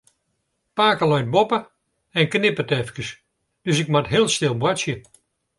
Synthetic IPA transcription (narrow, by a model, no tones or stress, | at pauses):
paːkəlɔjt̚bopə | ɛnknɪpətɛfkəs | d̥øsɪk̚matɦɪəlˠstɪlˠbwasjə